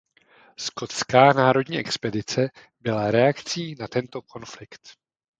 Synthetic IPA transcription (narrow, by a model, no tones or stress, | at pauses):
sko̞t̪skaːnaːɾo̞dɲiːʔɛkspɛdɪt͡sɛ | bɪlaɾɛakt͡siːnat̪ɛnt̪o̞kʰo̞nflɪkt̪